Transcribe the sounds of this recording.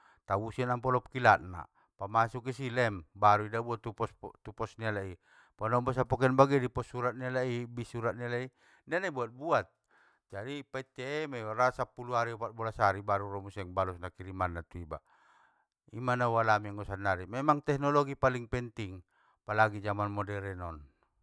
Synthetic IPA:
t̪abusianampɔlɔp̚kilat̪̚na̰ | pamasukisilɛmbaɾuidabuat̪ːupɔst̪upɔsnialai | panɔmbɔs̬apɔkɛnbaɡɛdipɔsːuɾat̪̚nialaibisuɾat̪̚nialai | nanaibuat̪̚buat̪̚ | d͡ʒadipait̪ɛːmɛaɾasapuluaɾiɔpat̪̚bɔlasaɾibaɾuɾɔmusɛŋbalusnakiɾimanːat̪uiba̰ | ḭmanawalamiaŋɔsanːaɾimɛmaŋt̪ɛknɔlɔɡipaliŋpɛnt̪iŋ | palaɡid͡ʒamanmɔdɛɾɛnɔn

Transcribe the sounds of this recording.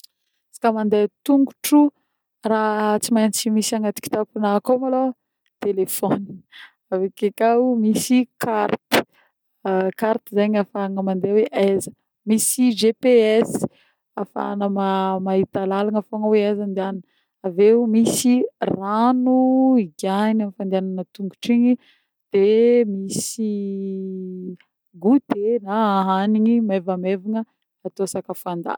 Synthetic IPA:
sḁkamand̪et̪uŋɡuʈ͡ʂu | rat͡simajnt͡simisaŋɡat̪i̥ki̥t̪apinakomalo | t̪elefoni̥ | avekekamisikʰaɾt̪i̥ | kaɾt̪izeɲafaŋəmand̪eweʔazə̥ | misid͡ʒepeɛs | afa̰nəmamaɦit̪alalaŋafoŋəweazand̪ean | avewmisiranuiɡanamifand̪eananət̪uŋɡu̥ʈ͡ʂiɲi | d̪̥emisi | ɡud̪enaaɦaniɲimevameviŋə | at̪oasakəfand̪a̰

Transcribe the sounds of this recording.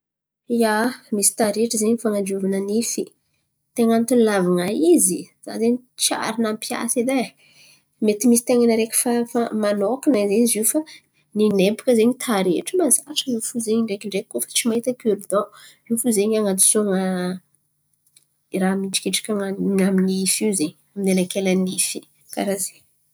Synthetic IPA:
iamisi̥t̪aɾeʈ͡ʂəzeɲifaŋand͡ʒuvanənifi | t̪eŋant̪unlavaŋaiziz̥a̰zeɲit͡ʃa̰ɾinampja̰sid̪e | met̪imisi̥t̪eŋanəɾekʲi̥fafamanokinaizeɲizifa | ninepu̥kəzeɲit̪ʰaɾḛʈ͡ʂəmazaɾiʈ͡ʂəifuzeɲiɳɖ͡ʐekiɳɖ͡ʐekːofḁt͡simaɦit̪əkuɾid̪o | iwfuzeɲaŋad̪i̥soŋa | ramiʈ͡ʂi̥kʲiʈ͡ʂḁkʲaŋaɲaminiifiwzeɲ | aminenakelanifi | ka̰ɾaze

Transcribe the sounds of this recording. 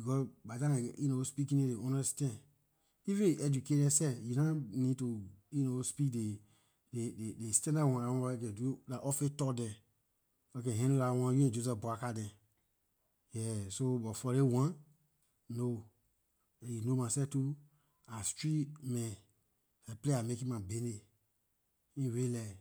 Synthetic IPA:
bikɔsbadãnajunospikĩnedeɔ̃nɛstɛ̃n | ifẽʔɛd͡ʒuketɛsɛjunanĩtujunospikde | dededestɛ̃ndawãaɔ̃ɔkɛ̃dulaʔɔfetɔdɛ̃ | ɔkɛ̃ɦɛ̃nolawãjuɛ̃d͡ʒozɔsbɔakadɛ̃ | jɛsobɔfɔɾewãn | no | junomasɛftu | astɹimɛ̃ | ɛpleamekĩmãbene | ĩɹelɛ

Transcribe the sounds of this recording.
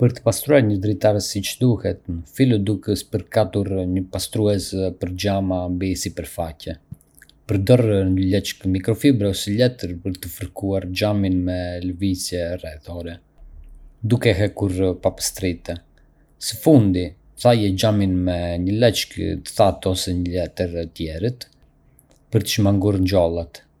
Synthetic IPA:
pəɾt̪ə̥past̪ɾuaɾɲəd̪ɾit̪aɾəsit͡ʃd̪uhɛt̪̚nəfilɔd̪ukəspəɾkat̪uɾɲəpast̪ɾuɛspəɾd͡ʒamambisipəɾfacɛ | pəɾd̪ɔɾɲəlɛt͡ʃkmikɾɔfibɾɛɔsilɛt̪əɾpəɾt̪əfəɾkuaɾd͡ʒaminmɛləvit͡sjɛrɛðɔɾɛ | d̪ukɛɦɛkuɾpapə̥st̪ɾit̪ɛ | səfund̪i | θajɛd͡ʒaminmɛɲəlɛt͡ʃkt̪ə̥θat̪ɔsɛɲəlɛt̪əɾt̪jɛɾit̪ | pəɾt̪ə̥ʃmaŋɡuɾɲd͡ʒɔlˠat̪

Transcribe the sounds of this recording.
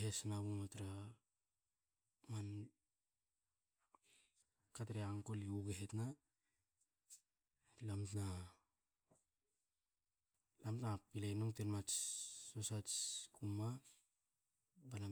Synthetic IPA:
ɦesnaβumatɾa | man | kataɾeaŋkoliuɡeɦetna | lamtna | lamtnapilenoŋtenmat͡ʃːosat͡ʃkuma | bana

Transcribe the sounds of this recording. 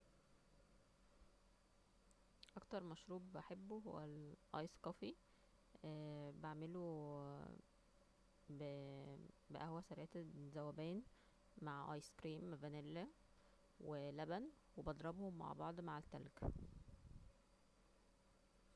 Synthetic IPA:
ʔɑkt̪ɑɾˤmæʃɾuːbbaħebːuɦo̰wːælʔɑ̰jsqɑfi | baʕmelu | b | beʔæhwæsæɾæːt̪zæwæbæːn | maʕʔɑjskɾiːmvænelːæ | welæbænwebɑd̪ˤɾˤɑbhomːa̰ʕbɑʕd̪ˤmaʕet̪ːæ̰lɡæ

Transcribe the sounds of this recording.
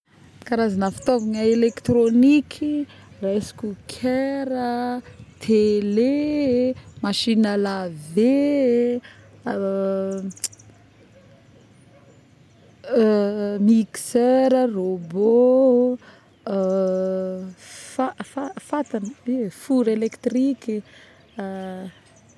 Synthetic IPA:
kaɾazanəfi̥t̪ovaŋəelekt̪ronikʰi | raesi̥kʲukʰeɾət̪ʰele | maʃinəlave | miksøɾərobo | fafafat̪anəifuɾelekt̪riki

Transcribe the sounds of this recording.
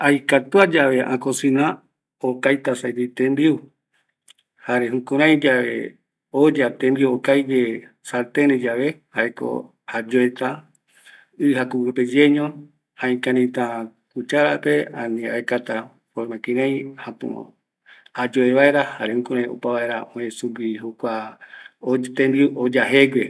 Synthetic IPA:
ajkat̪uad͡ʒaʋe̞ʔã̰kosĩnã | okajt̪asajt̪it̪ẽmbiu | haɾeɦũkũɾ̃ãj̃d͡ʒaʋḛ | od͡ʒat̪ẽmbiuokajd͡ʒe | saɾt̪eɾẽd͡ʒaʋe̞haeko̰ | had͡ʒoet̪a | ɨɦakuwɨped͡ʒeɲõ | ãĩkãɾĩt̪ãkut͡ʃaɾapeãnĩa̰ekat̪a | foɾmãkĩɾ̃ãj̃hãpṵ̃o̰ | ad͡ʒoeβaeɾahaɾehũkũɾãj̃o̰paβaeɾaõẽsuɡihukʷa | ot̪ẽmbiuʔod͡ʒaɦeɡe

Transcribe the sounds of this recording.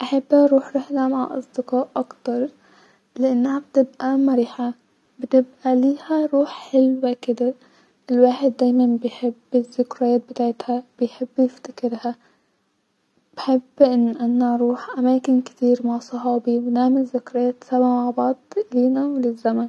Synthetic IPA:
ʔaħabːhaʔɾuːħɾɪħlamaʕʔɑ̰sˤd̪ɪqɑːʔʔakt̪ɑɾˤ | lɪʔanːhab̚t̪ɪbʔamaɾiːħa | bɪt̪ɪbʔaliːhaɾuːħħɪlwakɪd̪a | ɪlwaːħɪd̪ːaːjmanbɪjħɪbːɪzːʊkɾˤɑjaːt̪̚bɪt̪aːʕt̪hab̥ɪjħɪbːjɪft̪ḁkɪɾha | b̥ħɪbːʔɪnːʔanːaʔɾˤuːħʔamaːkɪnkt̪iːɾmaʕsˤɑɦɑːbiwnaːmɪzːʊkɾɑjaːt̪sabmaʕbɑʕd̪ˤliːnawlɪzːaman

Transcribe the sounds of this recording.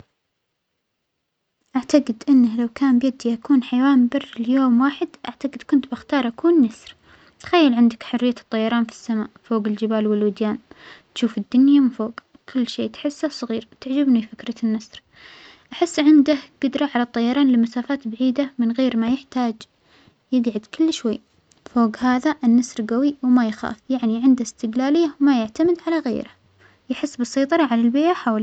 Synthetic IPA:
ʔaʕt̪aɡɪd̪ʔɪnːahlawkaːmbjad̪iʔakuːnħajwaːmbɪrːɪljoːmwaːħɪd̪ʔa̰ʕt̪aɡɪd̪kʊnt̪bɪxt̪ɑːɾˤʔakuːnːasˤɾ | t̪xajːɪlʕɪnd̪ɪkħʊrːɪjːat̪ˤːɑjːɑɾˤɑːnfi̥sːama̰ːʔfoːɡɪld͡ʒɪbaːlwɪlwɪd̪jaːnt̪ʃuːfɪd̪ːʊnjamɪfoːɡ | kʰʊlːʃeːt̪ħɪsːasˤɑɣiːɾt̪ɪʕd͡ʒɪbnifɪkɾˤɑnːasɾ | ʔaħɪsːʕɪnd̪ahɡ̥ʊd̪ɾˤɑʕalat̪ˤːɑjːɑɾˤɑːnlɪmasaːfaːt̪baʕiːd̪amɪnɣeːɾmajɪħt̪aːd͡ʒ | jɪɡʕad̪kʊlːʃwajː | foːɡhaːðaʔɪnːɑsˤɾɡawiwmajxa̰ːfjaʕniʕɪnd̪haɪst̪ɪɡlaːlɪjːawmajaʕt̪amɪd̪ʕalaɣḛːɾa | jaħɪsːbɨsˤɑːt̪ˤɑɾˤɑʕalalbeːʔaħawl

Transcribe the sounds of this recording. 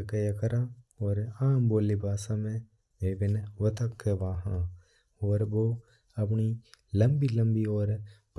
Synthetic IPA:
kəjakəɾãːɔːɾaːmboːlibaːsamẽ | eːʋɪnʋɐt̪əkːəbaːɦãː | ɔːɾboː | ɐp̬nilə̃mbilə̃mbiɔːɾp

